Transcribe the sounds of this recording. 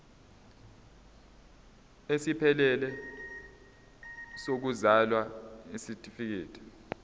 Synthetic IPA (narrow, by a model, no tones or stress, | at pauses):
esipʰɛlɛlɛ | sok̬uzalwaisitʼifik̬iːtʰi̥